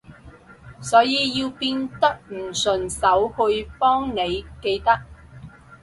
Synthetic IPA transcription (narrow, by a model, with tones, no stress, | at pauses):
sɔː˨˥jiː˨˧jiː˧wpiː˧nt̪ɐ˥k̚m̩˨˩sɵ˨˩nsɐ˨˥whɵ˧ɥpɔː˥ŋne˨˧jke˧jt̪ɐ˥k̚